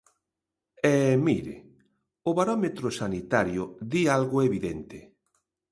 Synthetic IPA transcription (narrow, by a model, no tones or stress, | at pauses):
ɛmiɾḛ | ʊβaɾɔmet̪ɾʊsanit̪aɾjʊðialɣʊeβiðent̪ɪ